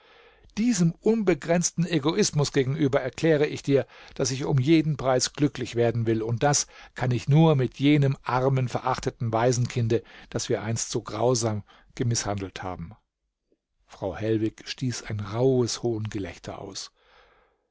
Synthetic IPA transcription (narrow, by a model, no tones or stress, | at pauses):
d̥iːzəmʔʊnbəɡʁɛnt͡stn̩eɡoʔɪsmʊsɡ̥eːɡŋ̩ʔyːbɐɛɐkl̥ɛːʁ̞əɪçd̥iːɐd̥asɪçʊ̰mjeːdn̩pʁ̥aɪsɡ̥lʏklɪçv̥eːɐdn̩vɪlʊnt̚d̥askʰanɪçnuːɐmɪtʰjeːnəmʔaʁmənfɛɐʔaχtətn̩vaɪzn̩kʰɪndəd̥asv̥iːɐʔaɪnstz̥oːɡʁaʊzaːm | ɡ̥əmɪshandl̩tha̰ːbm̩ | fʁ̥aʊhɛlvɪçʃtiːsaɪnʁaʊəshoːənɡəlɛ̰çtʰɐ̰ʔa̰ʊs